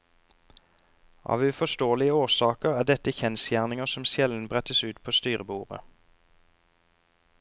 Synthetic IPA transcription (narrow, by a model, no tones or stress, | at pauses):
ʔɑ̰ːʋʉːfɔʃt̪oːlɪəoːʁsɑːkəʁæːd̪ɛt̪əçɛnsjæːʁnɪŋəsɔmsjɛln̩bʁɛt̪əsʉːt̪pʰoːst̪yːʁəbuːʁə̰